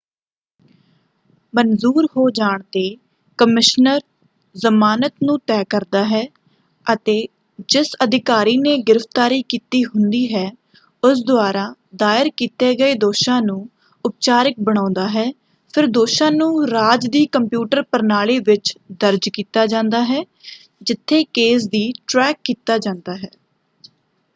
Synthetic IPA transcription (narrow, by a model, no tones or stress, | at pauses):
mənzuːɾɦoːd͡ʒaːɳt̪eː | kəmɪʃnəɾ | zəmaːnət̪nũːt̪ɛːkəɾd̪aːɦɛː | ət̪eː | d͡ʒɪsəd̪ɪkaːɾiːneːɡɪɾəft̪aːɾiːkiːt̪iːɦʊnd̪iːɦɛː | ʊs̬d̪ʊaːɾãːd̪aːɪəɾkiːt̪eːɡəeːd̪oːʃãːnũː | ʊp̚t͡ʃaːɾɪk̚bəɽ̃ãːnd̪aːɦɛː | pʰɪɾd̪oːʃãːnũːɾaːd͡ʒd̪iːkəmpjuːʈəɾpəɾnaːɭiːʋɪt͡ʃd̪əɾd͡ʒkiːt̪aːd͡ʒãːnd̪aːɦɛː | d͡ʒɪt̪ʰːeːkeːs̬d̪iːʈɾɛːkːiːt̪aːd͡ʒãːnd̪aːɦɛː